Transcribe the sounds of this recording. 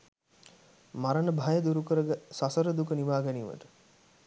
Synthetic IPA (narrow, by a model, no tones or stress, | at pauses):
maɾənəbʱajəd̪uɾukəɾəɡəsasəɾəd̪ukəniʋaːɡæniːʋə̰ʈə̥